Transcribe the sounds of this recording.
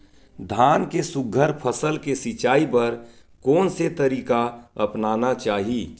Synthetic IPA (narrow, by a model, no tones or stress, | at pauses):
d̪ʱaːnkesʊɡʱəɾpʰəsəlkesɪt͡ʃaːipɐɾ | kɔːnset̪əɾiːkaɐpnaːnat͡ʃaːɦiː